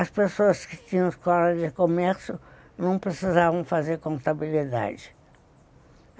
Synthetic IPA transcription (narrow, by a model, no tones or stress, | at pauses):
ɐspesoɐskɪ̥t͡ʃĩɲɐ̃skɔɾɐd͡ʒɪkomɛɾsjʊ | nɐ̃w̃pɾesizavɐ̃w̃fazeɾkõnt̪abilid̪a̰d͡ʒɪ